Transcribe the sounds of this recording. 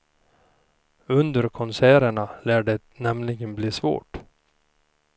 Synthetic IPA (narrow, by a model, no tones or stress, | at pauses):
ɵnd̪əɾkʰɔnsæːɾəɳalæːɖɛ | nɛmlɪɡənbliːsvo̰ːʈ